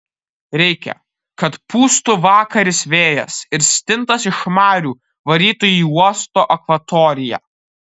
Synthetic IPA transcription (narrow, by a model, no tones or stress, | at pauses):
ɾʲɛɪkʲɛ̰ | kɐt̪puːst̪uːʋɑːkɐɾʲɪsʋʲeːjɛ̰sɪɾsʲt̪ʲɪnt̪ɐsɪʃmɑːɾʲuː | ʋɐɾʲiːt̪ʊiːuɔst̪oːʔɐkʋɐt̪ɔːɾʲɪjæ̰ː